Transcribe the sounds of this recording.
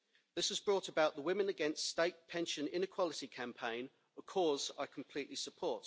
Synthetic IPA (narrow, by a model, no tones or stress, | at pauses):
ðɪsəzbɹɔˑtəbaʊʔðəwɪ̃mɪ̃nəɡɛ̃nststeɪʔpʰɛ̃nʃə̃nɪ̃nɪkʰw̥ɒlɪtikʰãmpʰẽɪ̃n | əkʰɔːza̰ɪkʰə̃m̩pʰl̥iˑʔlisəpʰɔˑt